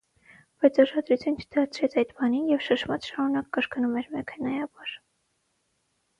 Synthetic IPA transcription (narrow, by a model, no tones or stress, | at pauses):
b̥ɑjt͡sʰɑʃɑd̪ɾut͡sʰjunt͡ʃʰə̥d̪ɑɾt͡sʰɾɛt͡sʰɑjd̪bɑninjɛvʃəʃmɑt͡sʃɑmunɑkːəɾknumɛɾmɛkʰɛnɑjɑbɑɾ